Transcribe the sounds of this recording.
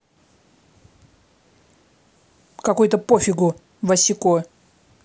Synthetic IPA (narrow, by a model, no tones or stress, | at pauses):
kɐkujʊt̪əpofʲɪɡʊ | vɐsʲɪko